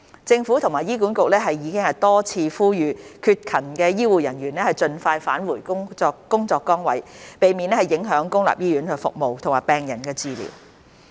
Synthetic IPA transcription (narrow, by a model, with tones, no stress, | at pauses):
t͡sɪ˧ŋfu˨˥t̪ʰʊ˨˩ŋmaː˨˩jiː˥k̬uː˨˥nkʊ˨k̚lɛː˥ɦɐ˨jːiː˨˧kɪ˥ŋhɐ˨jt̪ɔː˥t͡sʰiː˧fuː˥jyː˨˧kʰyː˧t̚kʰɐ˨˩nkɛː˧jiː˥wuː˨jɐ˨˩nɥyː˨˩nɛː˥hɐ˨jt͡ʃɵ˧nfaː˧jfaː˨˥nwuː˨˩jkʊ˥ŋɔː˧kkːʊ˥ŋt͡sɔː˧kːɔː˥ŋwɐ̰˨˥jpe˨jmiː˨nɛ˥hɐ˨jɪ˨˥ŋɦœː˨˥ŋkʊ˥ŋla̰ː˨p̚jiː˥jyː˨˥nə˨˧fʊ̰˨k̚mo˨wt̪ʰʊ˨ŋmaː˨˩pɛː˨ŋjɐ˨˩nkɛː˧t͡siː˨˧lḭː˨˩w